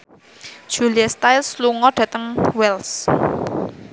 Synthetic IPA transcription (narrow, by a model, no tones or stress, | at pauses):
d̥ʒ̥ṳliast̪aɪlsluŋɔɖ̥ä̤t̪əŋwɛls